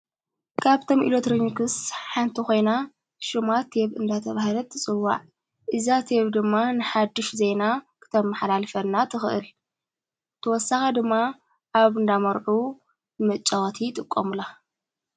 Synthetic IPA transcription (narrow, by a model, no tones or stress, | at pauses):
kʰaβt̪ʰo̞mʔḭlot̪ɾɨɲkɨsħant̪ʰixo̞jna | ʃɨmat̪ʰeβɨ̰nd̪at̪ʰɐβahlɐt̪ʰːɨt͡sʼɨwːa̰ʕ | ʔɨzat̪ʰeβd̪ɨmːanɨħad̪ːɨʃzejnakʰɨ̥t̪ʰɐmːɐħlalfɐlnat̪ʰɨxɨʔɨl | t̪ʰɨwɔsːaxɐd̪ɨmːa | ʔaβɨnd̪amɐɾʕu | mɐt͡ʃʼːawt̪ʰit̪ʼɨkʼːomɨla